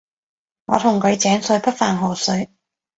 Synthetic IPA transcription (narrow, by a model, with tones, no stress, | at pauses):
ŋɔː˨˧t̪ʰʊ˨˩ŋkɵ˨˧ɥt͡sɛː˨˥nsɵ˧ɥpʰɐ˥t̚faː˨˩nɦo˨˩sɵ˨˧ɥ